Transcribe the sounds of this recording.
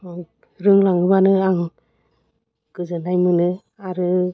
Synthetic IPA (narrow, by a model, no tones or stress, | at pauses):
ɾɯŋlaŋɯbanɯaŋ | ɡ̥ɯzɯnajmɯnɯ | aɾɯ